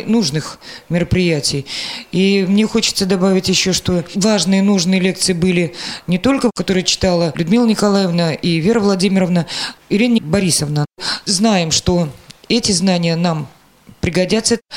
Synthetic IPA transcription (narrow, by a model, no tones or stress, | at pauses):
nuʐnɨxmʲɪɾəpɾʲɪjætʲɪjimnʲexo̞t͡ɕɪ̥t̪səd̪ɐbavʲɪtʲjɪɕːo̞ʂt̪ovaʐnɨjənuʐnɨjəlʲe̞k̚t̪sɨjɪbɨlʲɪnʲɪt̪o̞lʲkəkɐt̪o̞ɾɨjət͡ɕɪ̥t̪alˠəlʲʊd̪mʲilˠənʲɪkɐlˠajəvnəʔivʲe̞ɾəvlˠɐdʲimʲɪɾəvnəɪɾʲinbɐɾʲisəvnəznajɪmʂt̪o̞ɛtʲɪznanʲɪjənam | pɾʲɪɡɐdʲat̪sːə